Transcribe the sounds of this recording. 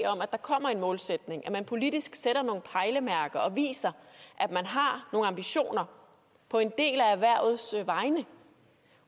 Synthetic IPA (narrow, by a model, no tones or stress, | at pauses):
ɒ̽mæd̥ɑ̈kʰɒ̽m̰ɐe̝nmɔ̽ːlsed̥ne̝ŋʔæmænpʰo̝lid̥isɡ̥seɾ̥ɐno̝ːn̩pʰɑ̈ɪləmæɐɡ̥ɐʔɒ̽ʋḭːsɐʔædmænɦɑ̈no̝ːŋ̩ɑ̈mb̥iɕo̝̰ːnɐ | pʰɒ̽e̝nd̥e̝̰ːlæʋæɐ̰ð̩ˠsʋɑ̈ɪnə